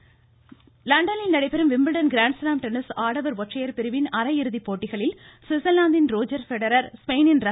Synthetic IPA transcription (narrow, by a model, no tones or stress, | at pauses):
lɐɳɖɐnɪlnɐɽɐɪpːɛɾɯmʋɪmbɪɭɖɐnɡɾaːɳɖslaːmʈɛnɪsaːɽɐʋɐɾʋɔʈrɐjɐɾpɪɾɯʋɪnɐɾɐɪɾɯðipːoːʈːɪɣɐɭɪlsɪsɐlːaːnd̪ɪnɾoːd͡ʒɐɾfɛɽɐɾɐɾspeɪnɪnɾɐ